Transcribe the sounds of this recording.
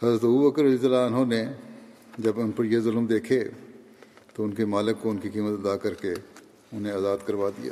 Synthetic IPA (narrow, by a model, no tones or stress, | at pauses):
hɐzɾət̪ɐbubəkəɾɐiːsəlaɐnɦone | d͡ʒɐbʊnpɐɾjezʊlmd̪eːkʰe | t̪oʊnkemaːlɪkːoʊnkikiːmət̪ɐd̪aːkɐɾke | ʊnɦẽaːzaːd̪kɐɾʋaːd̪ḭja̰ː